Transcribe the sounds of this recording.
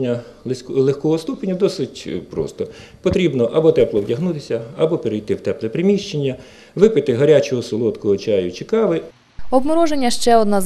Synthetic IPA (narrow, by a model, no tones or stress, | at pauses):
nʲːɐ | lˠexkɔɦɔst̪upenʲːɐd̪ɔsɪtʲpɾɔ̰st̪ɔpɔt̪ɾʲibnɔʔɐbɔt̪ɛplˠɔwdʲɐɦnut̪ɪsʲɐɐbɔpeɾejt̪ɪwt̪ɛplˠɛpɾɪmʲiʃt͡ʃenʲːɐ | ʋɪpɪt̪ɪɦɐɾʲat͡ʃɔɦɔsɔlˠɔt̪kɔɦɔt͡ʃɑjʊt͡ʃɪkɑʋɪ | ɔbmɔɾɔʒenʲːɐʃt͡ʃɛɔd̪naz